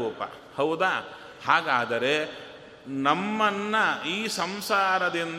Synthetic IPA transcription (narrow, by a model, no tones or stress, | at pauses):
uːpɐ̰ | hɐwd̪aː | haːɡaːd̪ɐɾe̞ | nɐmːɐnːɐiːsɐmsaːɾɐd̪in